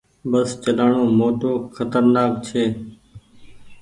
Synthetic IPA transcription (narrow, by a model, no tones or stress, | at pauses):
bəst͡ʃəlaːɳoːmoːʈoːxʰət̪əɾnaːk̚t͡ʃʰeː